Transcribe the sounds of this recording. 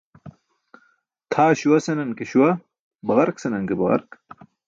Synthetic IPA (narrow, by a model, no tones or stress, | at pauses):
t̪ʰaːɕuwɐsɐnɐnkeɕwɐ | bɐʁɐɾksɐnɐŋkebɐɣɐ̰ɾk